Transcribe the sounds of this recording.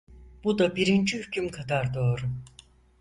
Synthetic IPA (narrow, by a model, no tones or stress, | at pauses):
b̥ud̪abiɾint͡ʃʰyhcymkʰad̪aɾd̪oːɾ